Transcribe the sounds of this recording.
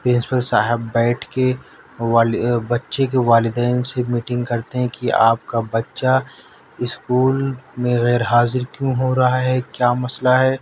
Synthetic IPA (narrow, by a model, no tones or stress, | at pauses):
pɾɪ̃nsɪ̥pəlsaːɦɪbːɛːʈʰke | bɐtːʃek̬eʋaːlɪd̪ɛːnsemiːʈɪ̃ŋɡkɐɾt̪eɦɛ̃kia̰ːp̚kabɐtːʃa | ɪskuːlmẽɣɛːɾɦaːzɪɾkjũɦoɾɐɦaɦɛkjaːmɐslaɦɛː